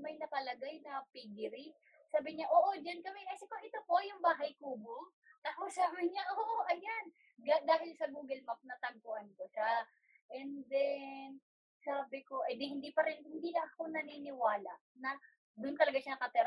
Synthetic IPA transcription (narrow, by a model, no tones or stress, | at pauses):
mɐjnɐkɐlɐɡajnɐpiɡɪɾɪ | saːbɪɲaʔoːʔo̞d͡ʒankɐmɛkɐsɛkoʔɪt̪opo̞jʊŋbaːɦɐjkuːbo | t̪akosaːbɪɲaʔoːʔoʔɐjan | ɡad̪aːhɪlsɐbuːɡɪlmap̚nɐt̪ɐɡ̚koʔɐnkoʃa | ʔɛnd̪ɛn | saːbɪko̞ʔɐjd̪ɪhɪnd̪iːpɐɾɪnhɪnd̪iːlɐŋʔɐko̞nɐniːnɪwaːlɐ̰nɐ | d̪ʊnt̪ɐlɐɡaʃanɐkɐt̪ɪɾa